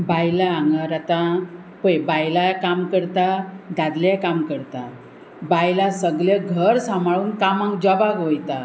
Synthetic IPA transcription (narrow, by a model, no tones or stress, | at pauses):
bajlaːŋɡaɾat̪a | pəjbajlakamkəɾt̪ad̪ad̪ljakamkəɾt̪a | bajlasəɡljeɡʱəɾsamaɭuːnkamãkd͡ʑɔbaɡʋojt̪a